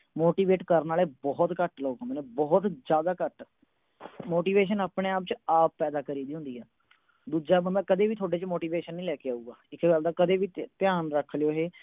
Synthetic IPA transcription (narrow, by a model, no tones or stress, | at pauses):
moːʈiːʋeːʈkəɾnaːleːbɔːt̪kəʈloːkɦnd̪eːneːbɔːt̪d͡ʒjaːd̪aːkəʈ | moːʈiːʋeːʃ̬ənaːpɽeːaːpt͡ʃaːp̚ːpɛːd̪aːkəɾiːd̪iːɦʊ̃nd̪iːɦɛː | d̪uːd͡ʒaːbəɛ̃ːkəd̪eːʋiːt̪ʰoːɖeːt͡ʃmoːʈiːʋeːʃənːĩːlɛːkeaːuːɡaːɪkɡəld̪aːkəd̪eːʋiːt̪ɪjaːnɾəkʰːlejoːɦeː